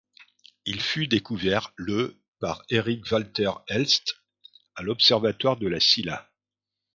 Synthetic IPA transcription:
ilfyd̪ekuvɛʁlə | paʁeʁikvalt̪ɛʁɛlst̪ | alɔpsɛʁvat̪waʁd̪əlasila̰

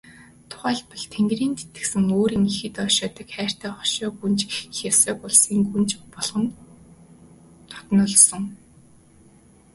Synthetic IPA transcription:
t̪ʰʊ̥χæːɮpɔ̆ɮt̪ʰeŋɡriːnt̪e̥t̪ɘ̥̆sɘ̆ŋoːɾiːŋixɘ̆t̪ɔːʃɔːt̪ə̆kχæːr̥t̪æːχɔʃɔːɡunt͡ɕxʲaw̥sœːkʊɮsiːŋɡunt͡ɕpɔɮʁɞ̆n | t̪ʰɔ̥t̪nʊːɮsɞ̆ŋ

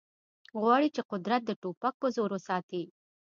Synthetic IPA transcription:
ɣwɑɽit͡ʃeqʊd̪ɾat̪̚d̪əʈopak̚pəzoɾosɑt̪i

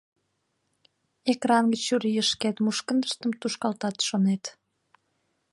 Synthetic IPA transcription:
ekɾɑnɡət͡ɕuɾiəʃket̪muʃkənd̪əʃt̪əmt̪uʃkɑlt̪ɑt̪ʃonet̪

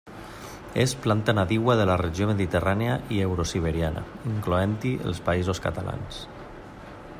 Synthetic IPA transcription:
esplant̪anaðiɣwaðəlarəʒioməðit̪əraneaʔiewɾosiβ̞əɾiana̰ | iŋkloɛnt̪iʔə̰lˠspaizoskat̪ala̰ns

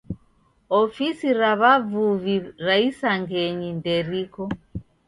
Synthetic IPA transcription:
ɔfisiɾaβavuviɾaisaŋɡɛɲindɛɾikɔ

